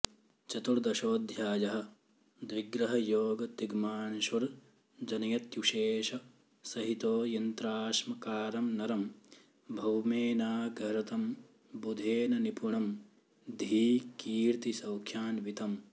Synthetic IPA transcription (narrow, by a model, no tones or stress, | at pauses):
t͡ʃɐt̪uɾd̪ɐʃoːd̪ʱjaːjɐɦɐ̆ | d̪ʋiɡɾɐɦɐjoːɡɐt̪iɡmaːnʃɐɾ | d͡ʒɐnɐjɐt̪juʃeːʃɐ | sɐɦit̪oːjɐnt̪ɾaːʃmɐkaːɾɐmnɐɾɐm | bʱɐwmeːnaːɡʱɐɾɐt̪ɐm | bud̪ʱeːnɐnipuɳɐm | d̪ʱiːkiːɾt̪isɐwkʰjaːnʋit̪ɐm